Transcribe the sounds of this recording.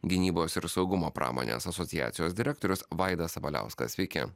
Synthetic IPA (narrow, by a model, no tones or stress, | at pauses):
ɡʲɪnʲiːboːsɪɾsɒʊɡʊmoːpɾʔɑ̰ːmo̰ːnʲḛːsɐsɔt̪ʲɪjæ̰ːt̪sʲɪjoːsd̪ʲɪɾʲɛk̚t̪oɾʲʊsʋɑˑɪd̪ɐsɐʋɐlʲæ̰ˑʊskɐ̰sʲʋʲɛɪkʲɛ̰